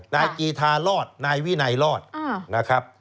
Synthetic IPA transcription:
naː˧jkiː˧t̪ʰaː˧lɔː˥˩t̪̚naː˧jwi˦˥˩na˧jlɔː˥˩t̪̚ːna˦˥kʰɾa˦˥p̚

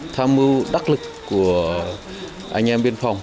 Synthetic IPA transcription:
t̪ʰaː˧mɨ˧wɗa˦˥k̚lɨ˨˩kːu˧˩ə | ʔa˧jŋ̟ʔɛ˧mɓi˧ənfa˨˧˩wŋ͡m

